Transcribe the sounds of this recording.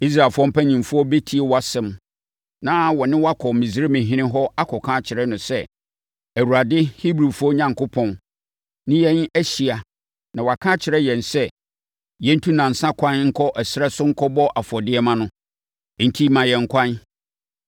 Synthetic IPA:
i˦s̬ɾa˨fʊ˦ɔ˦m̩˦pʰæ˦ɲĩ˨mfʊ˦ɔ˦be˦tʰi˨˦e˨wa˨sɛ̃˦m | nã˦wɔ˨nɪ̃˦wa˦kʰɔ˨mĩ˨zɾe˦mɪ̃˨ɦɪ̃˦nɪ̃˦ɦɔ˦a˦kʰɔ˨kʰã˦t͡ɕʰɪ˨ɾɛ˦nʊ̃˨sɛ˦ | æ˨wu˨ɾa˨dɪ˦hi˦bɾi˨fʊ˦ɔ˦ɲã˨ŋkʰʊ˦pʰɔ̃˨n | nɪ̃˦jɛ˦n˦æ˦ɕi˨a˨ | nã˨wɔ˨a˨kʰã˦t͡ɕʰɪ˨ɾɛ˦jɛ̃˨nsɛ˦ | jɛ̃˦n̩˦tʰũ˦nã˨n̩˨sã˦kʷʰã˦nŋ̩˦kʰɔ˦ʔɛ˨sɪ˦ɾɛ˦sʊ˦ŋ̩˦kʰɔ˦bɔ˦ʔa˨fɔ˨dɪ˦ɛ˦mã˦nʊ̃˨˦ | n̩˨tʰi˦mã˨jɛ̃˨ŋ̩˦kʷʰã˦n

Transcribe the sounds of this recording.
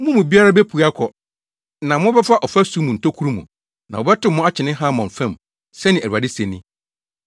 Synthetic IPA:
mũ˦mũ˨bi˦a˦ɾa˦bɛ˦pʰu˨a˦kʰɔ˨ | nã˨mʊ̃˦bɛ˦fa˦ʔɔ˨fa˦su˦mũ˨n̩˨tʰo˦kʰu˦ɾu˦mũ˨ | nã̰˨ɔ˨bɛ˦tʊ̃˦mːʊ̃˦a˦t͡ɕʰɪ˨nɪ̃˦ɦã˦mɔ̃˨ɱ˨fɛ̃˦˨m | sɛ˦nɪ̃˨æ˨a˨dɪ˦sɛ˨nɪ̃˦

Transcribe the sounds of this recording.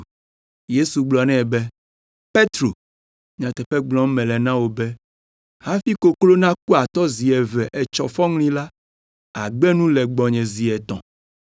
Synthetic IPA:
je˦su˨ɡ͡blɔ˨nɛ̃˦˨bɛ˦ | pe˦t̪ɾo˨ | ɲã˨t̪ɛ˨ɸɛ˦ɡ͡blɔ̃˦mɛ̃˨lɛ˨nã˦wo˨bɛ˦ | ha˦fi˦ko˦klo˦nã˦ku˦a˨t̪ɔ˦zi˨ɛ˨vɛ˨ʔɛ˨t͡ʃɔ˨fɔ˦ŋlĩ˦la˦ | a̰˨ɡ͡bɛ˦nũ˦lɛ˨ɡ͡bɔ˨ɲɛ̃˨zi˨ɛ˨t̪ɔ̰̃˨

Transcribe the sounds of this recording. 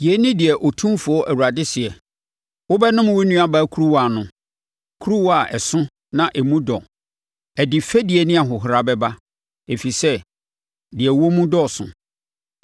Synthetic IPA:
i˨ɛ˦nɪ̃˦dɪ˨ɛ˨ʔo˨tʰũ˦fʊ˨ɔ˦ʔæ˨wu˨a˨dɪ˦sɪ˨ɛ˨ | wʊ˦bɛ˦nʊ̃˦m˨wi˦nũ˦a˦˨baː˨˦kʰu˦ɾu˦wa˨nʊ̃˦ | kʰu˦ɾu˦wa˨ʔɛ˨sʊ̃˦ | nã˦ʔɛ˨mũ˦dɔ˨ | ɛ˨dɪ˨fɛ˦di˨ɛ˨nɪ̃˦a˨ɦʊ˨ɦɾa˨bɛ˦ba˦ | e˨fi˨sɛ˦ | dɪ˨ɛ˨wo˦mũ˦dɔ˦˨sʊ̰̃˨

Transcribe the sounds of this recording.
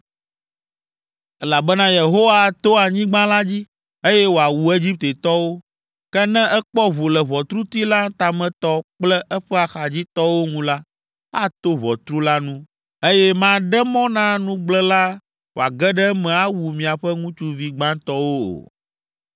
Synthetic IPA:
ɛ˦la˨bɛ˦nã˦je˨ɦo˦wa˦˨t̪o˦a˨ɲĩ˦ɡ͡bã˦la˦d͡ʑi˦ | e˦jɛ˦wo˨a˨wu˨e˦d͡ʑi˦p̚t̪e˨t̪ɔ˦wo˦ | kɛ˦nɛ̃˦ʔɛ˦k͡pɔ˦βo˨lɛ˨βɔ˨t̪ɾu˦t̪i˦la˦t̪a˨mɛ̃˦t̪ɔ˦k͡plɛ˦ʔɛ˦ɸɛ˦a˨xa˨d͡ʑi˦t̪ɔ˦wo˦ŋũ˦la˦ | a˦t̪o˦βɔ˨t̪ɾu˦la˦nũ˦ | e˦jɛ˦mã˦ɖɛ˦mɔ̃˦nã˦nũ˦ɡ͡blɛ˦la˦ | wo˨a˨ɡɛ˦ɖɛ˦mɛ̃˨a˦wu˨mĩ˨a˨ɸɛ˦ŋũ˦t͡ʃu˦vi˦ɡ͡bã˦t̪ɔ˦wo̰˦˨

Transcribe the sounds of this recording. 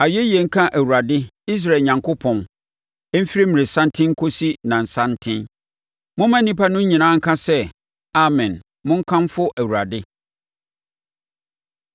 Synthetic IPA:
a˨ɥɛ˦jɛ˨ŋ̩˦kʰã˦ʔæ˨wu˨ɾa˨dɪ˦i˦s̬ɾa˨ɲã˨ŋkʰo˦pʰɔ̃˨n | ɛ˦m̩˦fi˦ɾi˦mĩ˨ɾɪ˨sã˦ntʰɪ̃˦ŋ̩˦kʰo˦si˦nã˨n̩˨sã˦n˦tʰɪ̃˦n | mʊ̃˦mã˦n̩˦nĩ˦pa˦nʊ̃˦ɲ̩˦ɲĩ˨nãː˦ŋ̩˦kʰã˦sɛ˦ | a˦mɛ̃˨n | mʊ̃˦ŋ̩˦kʰã˦m˦fʊ˦ʔæ˨wu˨a˨dɪ˦

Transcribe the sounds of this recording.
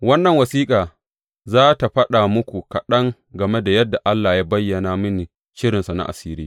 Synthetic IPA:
wɐ˦nːɐ˨ŋwɐ˨siː˦kʼaː˨ | zaː˦ta˨ɸɐ˦ɗa˨mʊ˦kʷu˨kɐ˨ɗɐ˦ŋ | ɡɐ˨me˦da˨jɐ˦dːa˨ʔa˦lːaː˨jaː˦bɐ˦jːɐ˨naː˨mʊ˦ni˨ | ʃɪ˦ɾɪ˨nsa˨na̰˨ʔa̰˨siː˦ɾiː˦

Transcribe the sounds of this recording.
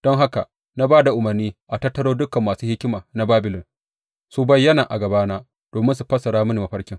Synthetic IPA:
d̥ɔ˦ŋɦa˦ka̰˨ | na˦baː˦da˨ʔʊ˨mɐ˨rniː˦ʔa˨tɐ˦tːɐ˦ɽoː˦dʊ˦kɐ˨mːaː˨suː˦hɪ˦kʲɪ˦maː˨na˦baː˦bɪ˨lɪ˨n | su˦bɐ˦jːɐ˦naː˨ʔa˨ɡɐ˨baː˦naː˦ | d̥oː˨mɪ˦nsu˨ɸɐ˦sɐ˨ɽaː˦mɐ˦ni˨mɐ˨ɸɐ˦ɽkʲɪ˦ŋ

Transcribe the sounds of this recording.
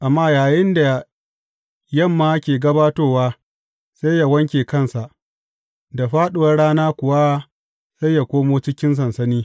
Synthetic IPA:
ʔa˨mːaː˦jaː˨jɪ˦nda˨ | jɐ˦˨mːaː˦kʲeː˨ɡɐ˦baː˦toː˦waː˦ | sa˦jːa˨wɐ˦ŋkʲeː˨kɐ˦nsa˨ʔ | da˨ɸaː˦ɗʊ˨wɐ˦rɽaː˦naː˦kʷʊ˨wa˦ | sa˦ja˨kʷoː˦moː˦t͡ʃɪ˦kʲɪ˦ns̬ɐ˨nsɐ˦niː˦

